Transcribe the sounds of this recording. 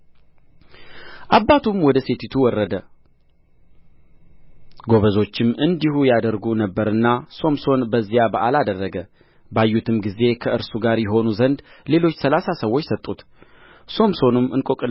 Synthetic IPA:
ʔabːat̪ʰumwɔd̪əse̞t̪ʰit̪ʰuwɔrːəd̪ə | ɡo̞βəzo̞t͡ʃːɪmɨnd̪iɦujad̪əɾɡunəbːəɾɨnːaso̞mso̞nbəzːijabəʔalad̪ərːəɡə | bajːut̪ʰɨmɡize̞kʰəɨɾsuɡaɾjɛɦo̞nuzənd̪le̞lo̞t͡ʃːsəlasasəwːo̞t͡ʃːsət̪ʼːut̪ | so̞mso̞nɨmɨnkʼokʼɨl

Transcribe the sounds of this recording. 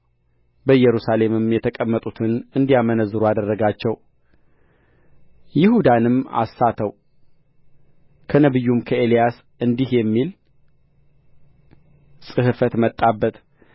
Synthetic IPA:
bəjɛɾusale̞mɨmjɛt̪ʰəkʼəmːət̪ʼut̪ʰɨnɨnd̪ijamənəzɨɾuad̪ərːəɡat͡ʃːɛw | jɪhud̪anɨma̰sːat̪ʰəw | kʰənəβɨjːumkʰəe̞lijas | ɨnd̪ihjɛmːil | sʼɨhɨfət̪mət̪ʼːabːət̪

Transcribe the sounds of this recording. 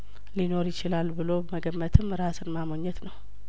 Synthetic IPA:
lino̞ɾjɪt͡ʃɪlalbɨlo̞bəməɡəmːət̪ʰɨmɾasɨnmamoɲːɛt̪nəw

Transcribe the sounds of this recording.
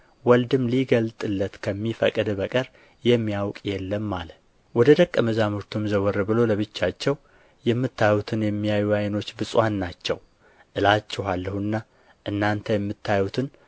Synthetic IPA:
wɔld̪ɨmliɡəlt̪ʼɨlːət̪kʰəmːifə̰kʼɨd̪bəkʼəɾ | jɛmːijawkʼjɛlːəmːalə | wɔd̪əd̪əkʼːəməzamoɾt̪ʰumzəwɔɾːɨbɨlo̞ləβɨt͡ʃːat͡ʃːɛw | jɛmːɨt̪ʰːajut̪ʰɨnjɛmːijajujajno̞t͡ʃːbɨsʼwanːat͡ʃːɛ̰w | ʔɨlat͡ʃːɛhalːəhuɨnːa | ʔɨnːant̪ʰəjɛmːɨt̪ʰːajut̪ʰɨn

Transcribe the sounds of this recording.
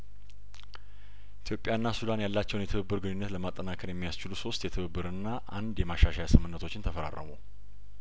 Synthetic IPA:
ʔit̪ʰjo̞pʼjaɨnːasud̪anjalːat͡ʃːɛwnjɛt̪ʰɨβɨbːɨɾɡɨnːunːət̪ləmat̪ʼːənakʰəɾjɛmːijast͡ʃɪluso̞st̪jɛt̪ʰɨβɨbːɨɾɨnːaʔand̪jɛmaʃaʃajasɨmːɨnːət̪ʰo̞t͡ʃːɪnt̪ʰəfəɾa̰rːə̰mow

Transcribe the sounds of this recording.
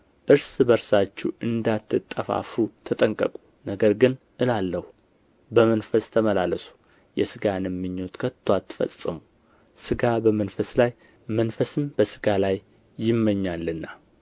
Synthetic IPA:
ʔɨɾsbəɾsat͡ʃːṵʔɨnd̪at̪ʰːɨt̪ʼːəfa̰fut̪ʰət̪ʼəŋkʼə̰kʼu̥ | nəɡəɾɡɨn | ʔɨlalːəhu | bəmənfəst̪ʰəməlaləsu̥ | jɛsɨɡanɨmːɨɲːo̞t̪kʰət̪ʰːwat̪ːɨ̥fə̰sʼɨmu | sɨɡabəmənfəslaj | mənfəsɨmb̥əsɨɡalajː | ɪmːəɲːalːɨnːa

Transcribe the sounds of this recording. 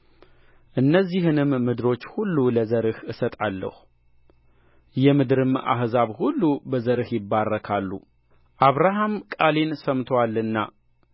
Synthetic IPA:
ʔɨnːəzːihɨnɨmːɨd̪ɨɾo̞t͡ʃːhulːuləzəɾɨhɨsət̪ʼalːə̰hu | jɛmɨd̪ɾɨma̰hzaβhulːubəzəɾɨhjɪbːarːəkʰalːṵ | ʔaβɾaɦamkʼalensəmt̪ʰwalːɨnːa̰

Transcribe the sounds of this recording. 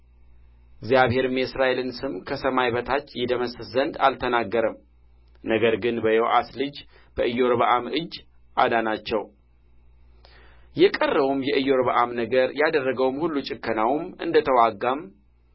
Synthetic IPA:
ɪɡzjaβhe̞ɾɨmjɛsɾaʔelɨnsɨmkʰəsəmajbət̪ʰat͡ʃːjɛd̪əməsɨzənd̪a̰lt̪ʰənaɡːəɾəm | nəɡəɾɡɨnbəjoʔaslɨd͡ʒ | b̥əʔɨjːoɾbəʔamɨd͡ʒː | ʔad̪anat͡ʃːɛw | jɛkʼərːəwumjɛʔɨjo̞ɾβəʔamnəɡəɾjad̪ərːəɡəwmhulːut͡ʃʼɪkːənawmɨ̰nd̪ət̪ʰəwaɡam

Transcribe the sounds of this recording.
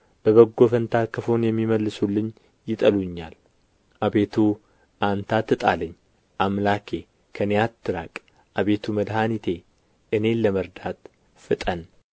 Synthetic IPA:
b̥əβəɡːo̞fənt̪ʰakːəfonjɛmːiməlːɨsulːɨɲ | jɪt̪ʼəluɲːa̰l | ʔabe̞t̪ʰu | ʔant̪ʰat̪ːɨt̪ʼa̰lɨɲː | ʔamlakʰe̞ | kʰənejat̪ʰːɨɾa̰kʼ | ʔaβe̞t̪ʰuməd̪hanit̪ʰe̞ | ʔɨne̞ləməɾd̪at̪ | fɨt̪ʼən

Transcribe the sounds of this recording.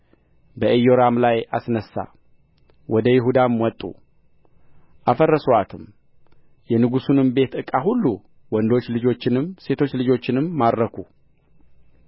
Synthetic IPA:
bəʔəjo̞ɾamlaja̰snəsːa̰ | wɔd̪əjɪɦud̪amwɔt̪ʼːṵ | ʔafərːəsowat̪ʰɨm | jɛnɨɡusunɨmbe̞t̪ɨkʼaɦulːu | wɔnd̪o̞t͡ʃːlɨd͡ʒo̞t͡ʃːɪnɨmse̞t̪ʰo̞t͡ʃːlɨd͡ʒo̞t͡ʃːɪnɨmːad̪ɾəkʰu

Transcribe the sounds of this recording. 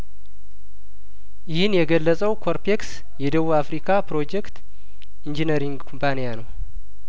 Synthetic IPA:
jɪhɨnjɛɡəlːəsʼəwkʰoɾpʰeks | jɛd̪əβuafɾikʰapɾo̞d͡ʒɛkt̪ | ind͡ʒinəɾiŋɡkʰompʰanijanəw

